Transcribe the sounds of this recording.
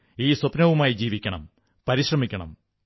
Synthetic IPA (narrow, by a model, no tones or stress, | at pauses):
iːsopnɐʋumaːjid͡ʑiːʋikʲːɐɳɐ̰m | pɐɾiɕrɐmikʲːɐɳɐ̰m